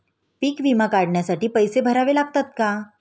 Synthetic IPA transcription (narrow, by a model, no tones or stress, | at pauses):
piːkʋimakaɽɳjasaʈiːpəjsebʱəɾaʋelaɡt̪at̪̚ka